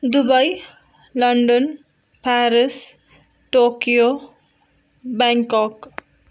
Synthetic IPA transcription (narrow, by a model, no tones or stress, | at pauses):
d̪ubʌj | lʌɳɖʌn | pʰaɾis | ʈokijo | baŋkʌk